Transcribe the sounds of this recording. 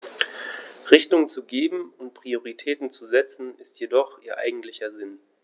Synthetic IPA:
ʁɪçtʊŋt͡suɡeːbm̩ʊntpʁ̥ioʁitʰɛːtn̩t͡suzɛt͡sn̩ɪstjedɔχʔiːɐʔa̰ɪɡŋ̩tlɪçɐzɪn

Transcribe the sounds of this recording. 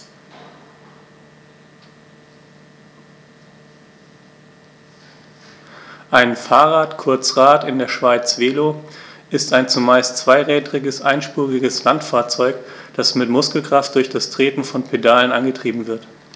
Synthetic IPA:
ʔaɪnfaːʁaːtkʰʊɐt͡sʁaːtɪndeːɐʃv̥aɪt͡sv̥eːloːʔɪstaɪnt͡sumaɪstt͡sv̥aɪʁɛːdʁɪɡəsʔa̰ɪnʃpuːʁɪɡəslantfaːɐt͡sɔʏkd̥asmɪtmʊskl̩kʁ̥aft̚d̥ʊɐçd̥astʁ̥eːpn̩fɔnpʰedaːlənʔanɡətʁ̥iːbm̩vɪɐt

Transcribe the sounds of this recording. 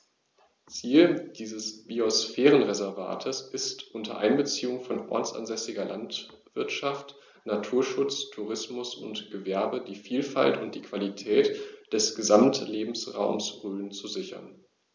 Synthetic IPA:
t͡siːld̥iːzəsb̥iɔsfɛːʁənʁɛzɛɐva̰ːtʰəsɪstʔʊntʰɐ̰ʔaɪnbət͡siːʊŋfɔnʔɔ̰ɐt͡sʔa̰nzɛsɪɡɐlant | v̥ɪɐtʃaft | natʰuːɐʃʊt͡stʰuʁɪsmʊsʊntɡ̥əvɛɐbədiːfiːlfa̰ltʊnt̚d̥iːkv̥alitʰɛːtd̥ɛsɡ̥əzamtleːbm̩sʁaʊmsʁøːnt͡suzɪçɐ̰n

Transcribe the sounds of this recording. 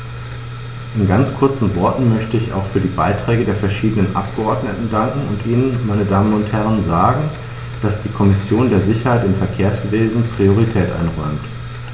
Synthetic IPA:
ʔɪnɡant͡skʰʊɐt͡sn̩vɔɐtn̩mœçtəɪça̰ʊxfyːɐdiːbaɪtʁ̥ɛːɡədeːɐfɛɐʃiːdənənʔa̰p̚ɡ̥əʔɔɐdnətn̩daŋkŋ̩ʊntʔiːnənmaɪnədaːmənʊnthɛʁ̞ənzaːɡŋ̩ | d̥asd̥iːkʰɔmɪsjoːndeːɐzɪçɐhaɪtɪmfɛɐkʰeːɐsv̥eːzn̩pʁ̥ioʁ̞itʰɛːtʔa̰ɪnʁɔʏmt

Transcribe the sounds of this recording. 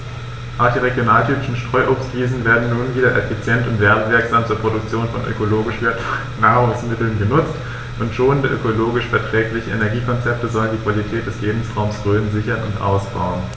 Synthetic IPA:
ʔaʊχd̥iːʁeɡjonaːltʰyːpɪʃn̩ʃtʁ̥ɔʏʔoːpstv̥iːzn̩veːɐdn̩nuːnviːdɐʔɛfit͡sjɛntʊntv̥ɛːʁəv̥ɪɐkz̥aːmt͡suːɐpʁ̥odʊk̚t͡sjoːnfɔnʔø̰koloːɡɪʃvɛɐt | naːʁʊŋsmɪtl̩nɡənʊt͡st | ʔʊntʃoːnəndəʔø̰koloːɡɪʃfɛɐtʁ̥ɛːklɪçəenɛɐɡiːkʰɔnt͡sɛp̚təzɔləndiːkv̥alitʰɛːt̚d̥ɛsleːbm̩sʁaʊmsʁøːnzɪçɐnʊntʔa̰ʊsb̥a̰ʊən

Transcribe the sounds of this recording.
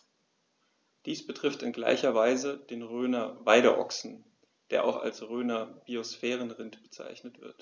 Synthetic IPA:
d̥iːsb̥ətʁ̥ɪftɪnɡla̰ɪçɐvaɪzəd̥eːnʁøːnɐvaɪɾɐ̰ʔɔ̰ksn̩ | d̥eːɐʔa̰ʊxa̰lsʁøːnɐb̥iosfɛːʁənʁɪntb̥ət͡sa̰ɪçnətv̥ɪ̰ɐt

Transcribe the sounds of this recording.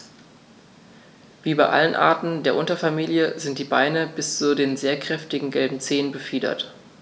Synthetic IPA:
viːbaɪʔa̰lənʔa̰ːɐtn̩deːɐʔʊntɐfamiːljəzɪnt̚d̥iːbaɪnəbɪst͡sudeːnzeːɐkʁ̥ɛftɪɡŋ̩ɡɛlbm̩t͡seːənbəfiːdɐ̰t

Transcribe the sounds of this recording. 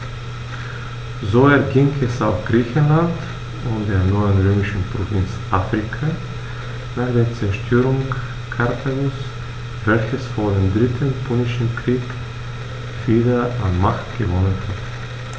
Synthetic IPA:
zoːɛɐɡɪŋɛsaʊxɡ̥ʁiːçən̩lant | ʊntd̥eːɐnɔʏənʁøːmɪʃn̩pʁ̥ovɪnt͡sʔaːfʁ̥ikʰa | naːχd̥eːɐt͡sɛɐʃtʰøːʁʊŋ | kʰaʁtʰalʊs | vɛlçəsfoːɐdeːmdʁɪtʰənpʰonɪʃn̩kʁ̥iːk | v̥iːdɐanmaχtɡ̥əvɔnənhat

